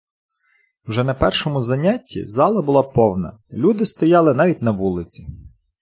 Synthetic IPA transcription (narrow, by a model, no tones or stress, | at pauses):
wʒɛnɐpɛrʃɔmʊzɐnʲatʲːḭzɑlˠɐbʊlˠɑpɔwnɐ̰lʲud̪ɪst̪ɔjɑlˠɪnɑʋʲit̚ʲnɐʋulˠɪt͡sʲi̥